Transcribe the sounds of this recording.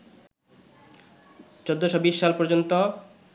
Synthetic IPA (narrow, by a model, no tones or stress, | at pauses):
t͡ɕod̪ːoʃobiʃːalpɔɾd͡ʑont̪o